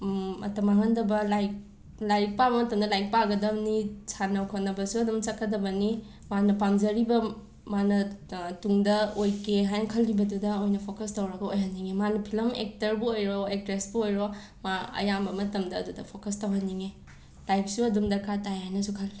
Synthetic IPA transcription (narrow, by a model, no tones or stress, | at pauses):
ɐ̰tɐmaɦɐndɐbɐlajk̚ | lajk̚pabɐmɐtɐmdɐlajk̚paɡɐdɐbnisʰanɐwkʰonːɐbɐsuɐdumt͡ʃɐkʰːɐdɐbɐni | manɐpamzɐɾibɐ | manɐtuŋdɐojkeɦajnɐkʰɐlːibɐdudɐojnɐpʰokɐstɐwɾɐɡɐojɦɐnːiŋemanupʰilɐmḛk̚tɐɾbuojɾɔek̚ɾesbuojɾo | maɐ̰jambɐmɐtɐmdɐ̰ːdudɐpʰokɐstɐwɦɐnːiŋe | lajp̚suɐdumdɐkʰatajajnɐsukʰɐl